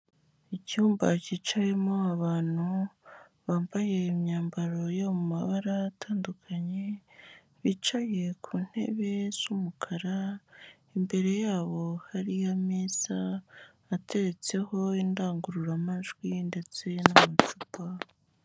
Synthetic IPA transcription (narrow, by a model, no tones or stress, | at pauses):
icuːmba̰ciːt͡ʃaje̞moaβaːn̥hu | βaːmbaje̞imɲaːmbaɾo̞jomumaβaɾaːtʰaːndukʰaɲe̞ | βit͡ʃaje̞kʰuːn̥he̞̰βe̞z̥umukʰaɾa | imbe̞ɾe̞jaːβo̞haɾijameːsaː | tʰe̞ɾe̞t͡se̞ho̞indaːŋɡuɾuɾamaʒɡwinde̞t͡se̞namat͡ʃupa